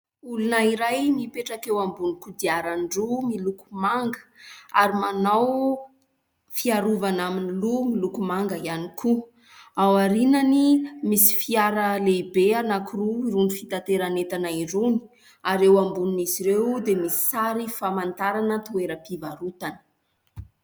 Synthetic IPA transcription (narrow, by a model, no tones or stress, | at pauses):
ulunaiɾajmipeʈ͡ʂakewambunikud̪iaɾanɖ͡ʐumilukumaŋɡə̥aɾimanaw | fiaɾuvanaminilumilukumaŋɡəianikʰu | awaɾinanimisi̥fiaɾəlebeanakuruiɾunifit̪at̪eɾanet̪anaiɾuni̥ | aɾewambuniniziɾewd̪emisi̥saɾifamant̪aɾanət̪ueɾəpivaɾut̪anə̥